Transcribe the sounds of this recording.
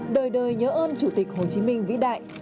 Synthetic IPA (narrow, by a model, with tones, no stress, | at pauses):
ɗəː˨˩jɗəː˨˩jɲəː˨˦ʔəː˧nt͡ɕu˧˩t̪ï˨˩k̟̚ho˨˩t͡ɕi˨˦mï˧ŋ̟vḭ˧˥ɗa̰ː˧˨jʔ